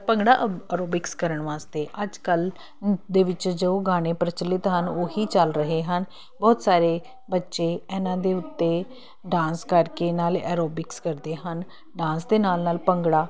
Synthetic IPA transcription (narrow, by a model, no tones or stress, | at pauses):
pəŋɡɽaːəɾoːbɪkskəɾəɳʋaːst̪eːʔəd͡ʒkəl | d̪eːʋɪt͡ʃd͡ʒoɡaːñeːpɾət͡ʃəlːɪt̪ɦənoːɦiːt͡ʃəlɾəɦeːɦən | bɔːt̪saːɾeː | bətːʃeːɛːnãːd̪eːʊt̪ːeː | ɖãːnskəɾkeːnaːlɛ̰ːɾoːbɪkskəɾd̪eːɦən | ɖãːnsd̪eːnaːlnaːlpəŋɡɽaː